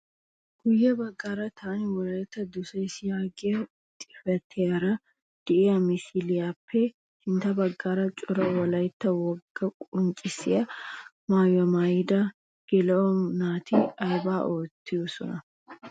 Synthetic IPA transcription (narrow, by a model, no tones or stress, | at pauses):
ɡ̥ʊjːɐbɐɡːaːɾɐt̪ʰaːnɪwɔlɐjɪt̪ːɐd̪ʊsɐɪsɪjaːɡɪɐ | t̪ʼɪ̥fɛt̪ʰːeɐɾɐ | d̪̥ɪeɐmɪsilɪjapʰːɛ | hɪnt̪ɐbɐɡːaːɾɐt͡ʃʼʊɾɐwɔlɐjt̪ːɐwɔɡːɐkʼʊnt͡ʃʼɪsɪɐ | maːjɔmajɪd̪ɐ | ɡ̥ɛlɐɔnaːt̪iɐjbaːʔoːt̪ːɪjʊsɔ̰nɐ